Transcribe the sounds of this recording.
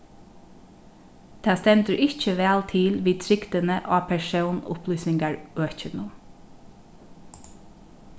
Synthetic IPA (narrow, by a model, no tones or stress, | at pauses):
t̪ʰɑːst̪ɛnt̪əɹʔɪc͡çəʋæːlt̪ʰɪlʋiːt̪ʰɹɪkt̪ənəʔɑːpʰæʃəːnʊ̰plyːsɪŋɡɑɹøːc͡çənʊm